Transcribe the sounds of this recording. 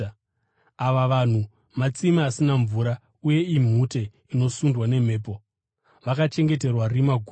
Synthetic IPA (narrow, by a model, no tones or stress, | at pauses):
aʋaʋan̤u | mat͡simiasinaɱvuːɾa | uje̞im̤ute̞ | ino̞sundwane̞m̤e̞ːp̬o̞ | ʋakat͡ʃe̞ŋɡe̞t̬e̞rwarimaɡʱu